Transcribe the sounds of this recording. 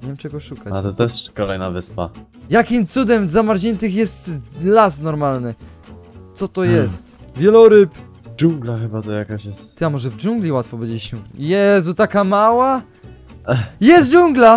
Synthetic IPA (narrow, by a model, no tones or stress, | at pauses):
ɲɛmt͡ʃɛɡɔʂukat͡ɕa̰lɛt̪ɛʂkɔlɛjnavɘspa̰ | jakʲimt̪sud̪ɛmzamaɾd͡ʑɛnt̪ɘxjɛst̪lasnɔɾmalnɘ | t̪sɔt̪ɔjɛst̪vʲjɛlɔɾɘp | d͡ʒuŋɡlaxɘbat̪ɔjakaɕjɛst̪t̪jamɔʐɛvd͡ʒuŋɡlʲiwat̪fɔbɛd͡ʑet͡ɕɕɛjɛzut̪akamawa | jɛst̪̚d͡ʒuŋɡla